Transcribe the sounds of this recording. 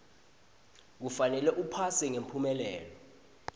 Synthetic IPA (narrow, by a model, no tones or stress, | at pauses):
k̬ufanɛlɛʔupʰasɛŋempʰumɛlɛːlɔ